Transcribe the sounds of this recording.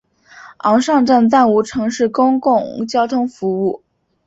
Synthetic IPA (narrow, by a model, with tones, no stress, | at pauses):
ɑ˧˥ŋʂɑ˥˧ŋʈ͡ʂə˥˧nt͡sa˥˩nu˧˥˩ʈ͡ʂʰɤ˧˥ŋʂɻ̩˥˩kʊ˥ŋkʊ˥˩ŋt͡ɕjɑ˥ʊt̪ʰʊ˥ŋfu˧˥u˥˩